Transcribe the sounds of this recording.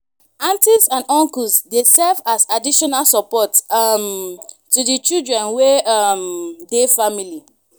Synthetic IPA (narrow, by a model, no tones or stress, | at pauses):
ãntisãnɔ̃ŋkusdesɛvasadiʃɔnalsɔpɔtm | tudit͡ʃildɹɛ̃nweamdefamili